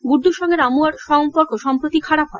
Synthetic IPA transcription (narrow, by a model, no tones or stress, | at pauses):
ɡuɾd̪ʱuʃɔŋɡeɾamuaɾʃɔmpoɾkoʃɔmpɾot̪ikʰaɽapɦɔe